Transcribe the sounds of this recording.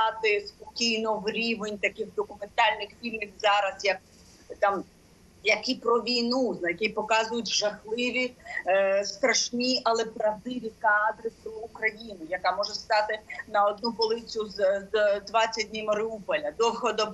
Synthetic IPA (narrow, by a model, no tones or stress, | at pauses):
ɑt̪ɪspɔkʲijnɔʋɾʲiʋenʲt̪ɐkɪxd̪ɔkʊment̪ɑlʲnɪxfʲilʲmʲiwzɑɾɐsjɐk̚ | t̪ɑm | jɐkipɾɔʋʲijnuznɐjɐkʲipɔkɑzʊjʊtʲʒɐxlˠɪʋʲi | st̪ɾɐʃnʲiʔɐlˠɛpɾɐd̪ɪʋʲikːd̪ɾɪslˠːkɾɐjinʊjɐkamɔʒɛst̪ɑt̪ɪnɐɔd̪nubɔlˠɪt͡sʲʊzd̪ʋɑt͡sʲːɐdʲnʲimɐɾɪupɔlʲɐd̪ɔxɔd̪ɔb